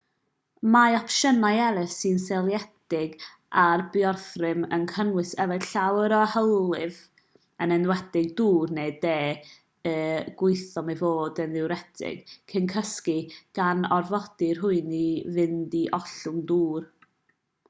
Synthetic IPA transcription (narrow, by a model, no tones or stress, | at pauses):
majɔpʃənajɛɾɪssɨnsɛlˠjɛdɪɡ | arbjɔrθrɪmənkʰənwɨsɛvɛdɬawɾɔhəwlˠɪv | ənɛnwɛdɪɡ̚duːrnedeː | əːɡ̥wʊɨθɔmɛvoːdənðɪwɾɛdʰɪ̰ɡ̥kʰɪnkʰəskiɡ̥anɔrvɔd̥ɪrhʊɨnivɪndiʔɔɬʊnduːr